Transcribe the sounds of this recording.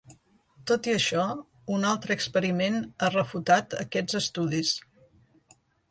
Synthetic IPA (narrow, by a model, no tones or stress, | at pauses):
t̪ot̪iəʃɔ | unalˠt̪ɾəːkspəɾimenərəfut̪at̪ə̰kɛd͡zəst̪uðis